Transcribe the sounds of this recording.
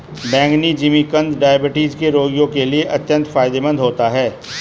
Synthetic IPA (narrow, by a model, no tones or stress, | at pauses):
bɛ̃ːŋɡnid͡ʒimikɐ̃nd̪ɖaːjəbɪʈiːzkeɾoːɡijõkelieʔɐt̪jə̃nt̪faːɪd̪ebə̃nd̪ʱɦoːt̪aɦɛː